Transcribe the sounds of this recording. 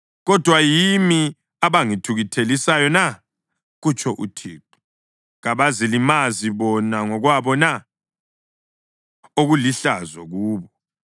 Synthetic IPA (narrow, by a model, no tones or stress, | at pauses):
ɣɔd̥ʱwajimi | aβaŋitʰuɣitʰelisajɔna | ɣut͡ʃʰʼɔʔṵtʰiːǃu̥ | ɣaβazilimaziβɔnaŋɔɣwaβɔna | oɣuliɬazwaɣuːβɔ